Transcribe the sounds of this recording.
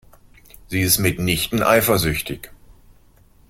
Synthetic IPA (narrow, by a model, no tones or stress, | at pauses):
z̥iːɪstmɪtnɪçtn̩ʔa̰ɪfɐzʏçtɪç